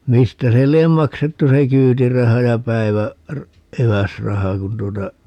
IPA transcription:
mistæ se liem mɑksetːu se kyːtirɑhɑ jɑ pæiʋæ r eʋæsrɑhɑ kun tuotɑ

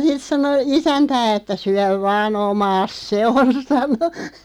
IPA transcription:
sit sɑno isæntæː etːæ syæʋ ʋɑːn omɑːs se on sɑno

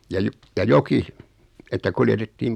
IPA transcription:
jɑ jo jɑ joki etːæ kuljetetːiːm

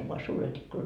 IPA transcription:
oʋ ʋoɑ suːret ikːunɑt

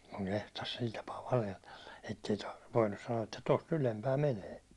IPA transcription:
kuŋ kehtɑs sil tɑpɑː ʋɑlehlelːɑ etːei tɑr ʋoinːus sɑnoɑ etːæ tost ylempæː meneː

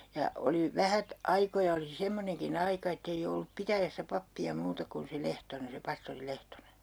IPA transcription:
jɑ oli ʋæhæt ɑikojɑ oli semːoneŋkin ɑikɑ etːei olːup pitæjæsːæ pɑpːiɑ muːtɑ kun se lehtonen se pɑstori lehtone̥n̥

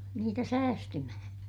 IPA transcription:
niːtæ sæːstymæhæ̃ː

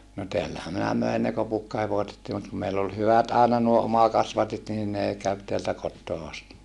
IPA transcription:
no teælːæhæ minæ møin ne kopukːɑheʋosetːiː mut kum meilː ol hyʋæt ɑˑenɑ nuo omɑkɑsʋɑtit niːn neˑ kæʋ teæltæ kotːoː ɑsti

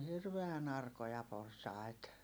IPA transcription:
hirʋeæn ɑrkojɑ porsɑi̯t

